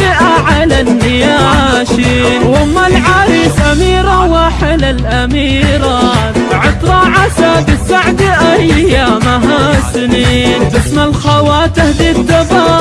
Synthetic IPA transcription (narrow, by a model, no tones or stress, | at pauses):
ɪʔaʕalanːɪja | ʃi | nwʊmːalʕaɾiːsʔamiːɾawaːħɪlalʔamiːɾˤɑʕɪt̪ɾˤɑʕasab̪ɪsaʕd̪iʔajːaːmaɦasɪniːnt̪ɪsmalxawaːt̪ɪhd̪id̪ːaba